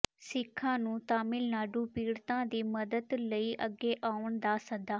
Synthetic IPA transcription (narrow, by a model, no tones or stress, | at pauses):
sɪkʰːãːnũːt̪aːmɪlnaːɖũːpiːɽt̪ãːd̪iːməd̪əd̪ləiːʔəɡːeːʔaːʊɳd̪aːsəd̪aː